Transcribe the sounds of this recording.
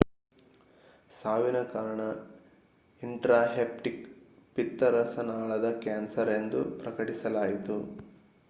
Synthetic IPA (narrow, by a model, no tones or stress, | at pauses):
saːʋinɐkaːɾɐɳɐ | iɳʈɾaːɦeːp̚ʈik | pit̪ːɐɾɐsɐnaːɭɐd̪ɐkaːnsɐɾe̞nd̪upɾɐkɐʈisɐlaːjit̪u